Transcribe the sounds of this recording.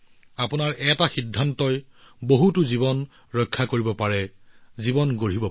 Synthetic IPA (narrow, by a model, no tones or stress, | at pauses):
apʊnaɹʔɛtaxidʱːantɔj | boɦutʊzibɔn | ɹɔjkʰːakoɹibɔpaɹɛzibɔnɡoɹibɔ